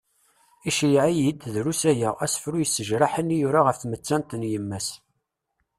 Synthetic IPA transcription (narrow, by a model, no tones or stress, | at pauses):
iʃijʕijid̪ðɾusæjææsə̥fɾujəsːəʒɾaħənːjuɾaʁəfθmət͡sːænt̪njəmːæs